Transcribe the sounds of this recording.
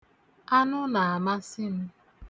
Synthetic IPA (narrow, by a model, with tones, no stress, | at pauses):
a˦nʊ˦na˨a˨ma˦sɪ˦m̩˦